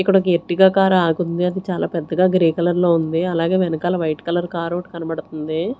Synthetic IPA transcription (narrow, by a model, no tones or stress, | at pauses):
ikːɐɽɐkeʈːiɡaːkaːɾaːɡund̪iɐd̪it͡ʃaːla̰ːpɛd̪ːɐɡaːɡɾiːkɐlɐɾloːund̪iɐlaːɡe̞ːʋɛnɐkaːlɐʋɐjʈkɐlɐɾkaːɾoːʈkɐnɐbɐɽut̪und̪i